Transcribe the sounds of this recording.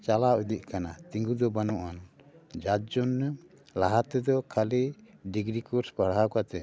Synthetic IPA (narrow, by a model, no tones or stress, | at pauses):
t͡ʃalaʔud̪iʔ̚ˀkanat̪iŋɡud̪ɔbanɔʔan | d͡ʒad͡ʒɔnːə | laɦat̪ɛd̪ɔkʰaliɖiɡɾikɔɾspaɽɦakat̪ɛ